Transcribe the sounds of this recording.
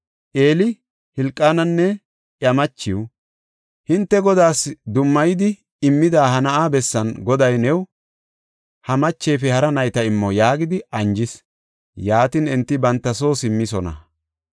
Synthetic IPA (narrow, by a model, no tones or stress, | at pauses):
ʔe̞ːlɪ | hɪlkʼːaːnɐnːɛ | ʔjɐmɐt͡ʃːɪw | hɪnt̪ːɛɡɔd̪aːsd̪ʊmːɐjɪd̪ɪ | ɪmːɪd̪aːhɐnɐʔaːbɛsːɐnɡɔd̪ɐjnɛw | hɐmɐt͡ʃːɛjfɛhɐɾɐnɐjt̪ɐɪmːɔjaːɡɪd̪ɪɐnd͡ʒɪs | jaːt̪ɪnɪnt̪ːɪbɐnt̪ːɐso̞ːsɪmːɪsɔnɐ̰